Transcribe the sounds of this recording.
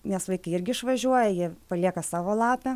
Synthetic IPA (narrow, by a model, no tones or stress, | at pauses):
nʲɛsʋɐɪkɐɪɪɾʲɡʲɪɪʃʋɐʒʲuɔjɛjiɛpɐlʲiɛkɐsɑːʋoːlˠɑːpʲɛ